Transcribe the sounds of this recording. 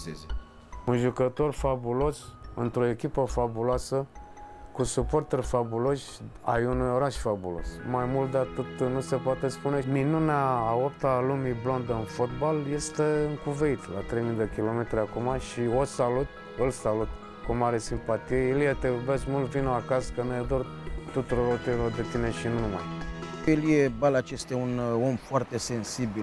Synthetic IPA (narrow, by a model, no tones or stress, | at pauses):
sezi | unʒukət̪o̞rfabulo̞sɨnt̪ɾo̞e̞kʲipəfabuloasə | kusupo̞rt̪erʲfabulo̞ʃʲ | ajunujo̞ɾaʃfabulo̞̰smajmult̪d̪at̪ot̪nuse̞poat̪espuneminunaːopt̪alumiblo̞nd̪əɨnfot̪̚balje̞st̪eɨŋkuve̞it̪la̰t̪ɾe̞jmid̪ekʲilo̞me̞t̪ɾeakumaʃiosalut̪̚ | ɨlsalut̪̚ | kumaɾe̞simpat̪ijejeljet̪eubeskmult̪vinoakaskənujad̪o̞r | t̪ut̪uɾoɾot̪iɾod̪e̞t̪ine̞ʃinunuma̰jjeljebalat͡ʃe̞st̪jauno̞mfoart̪e̞se̞nsibil